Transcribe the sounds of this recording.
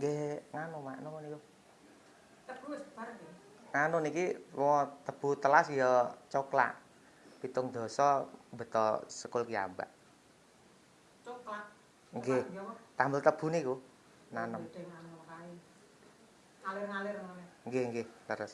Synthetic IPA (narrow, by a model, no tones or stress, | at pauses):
ŋɡeŋanumaʔnoniku | t̪əb̥usb̥aɾ | ŋanʊnikiwɔt̪əb̥ṳt̪əlasjɔt͡ʃokla̰ʔ | pit̪ʊŋd̪̥o̤sɔbə̤t̪ɔ̰səkʊlkia̰mba̰ʔ | t͡ʃoklaʔ | ŋɡet̪ambəlt̪əb̥ṳniku | nanəmankai | kalɪrŋalɪrmaŋɡeŋɡeləɾəs